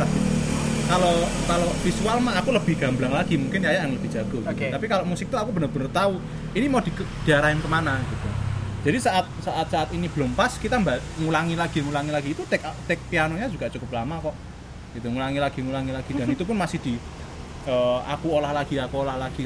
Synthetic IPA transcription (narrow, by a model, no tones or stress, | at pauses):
ḁikalokalofisualmaːkuləb̥ɪ̤hɡ̥a̤mblaŋlaɡ̥imuŋkɪnjajaʔɪŋləb̥i̤̥d͡ʒ̥a̤ɡ̥ɔ̤ɡit̪apikaloʔmusɪk̚t̪uakubənərb̥ənərt̪au | inimod̪̥i̤kə | d̪̥i̤aɾaɪnkəmanaɡ̥it̪udd͡ʒ̥ad̥isaʔat̪̚saʔat̪̚saat̪inib̥əlompaskit̪ambaʔŋulaŋilaɡ̥i̤ŋulaŋilaɡ̥iːt̪ut̪ɪkt̪ɪk̚pianoɲḁʒ̥ukaʔt͡ʃukʊp̚lamakɔʔ | ɡ̥it̪uŋulaŋilaɡ̥i̤ŋulaŋilaɡ̥id̥a̤nit̪up̬ʊnmasɪhd̪̥i̤ | əa̰kuolahlaɡ̥iakuolahlaɡ̥i